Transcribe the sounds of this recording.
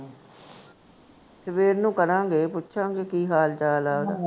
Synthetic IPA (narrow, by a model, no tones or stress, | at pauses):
səʋeːɾnũːkəɾãːŋɡeːpʊtːʃʰãːŋɡeːkiːɦaːlt͡ʃaːlaːod̪aː